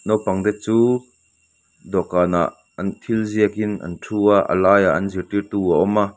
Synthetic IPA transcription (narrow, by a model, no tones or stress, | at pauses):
nɔwpɐŋd̪ɛt̪̚t͡suː | d̪ɔkaːna̰ʔ | ɐnt̪ʰilziəkinʔɐ̰ntʰuːaʔə̰laːja̰ʔɐnzirt̪irt̪uːaʔɔma